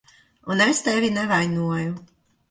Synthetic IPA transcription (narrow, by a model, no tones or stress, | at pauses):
unɛst̪ɛvʲinɛvajnuɔju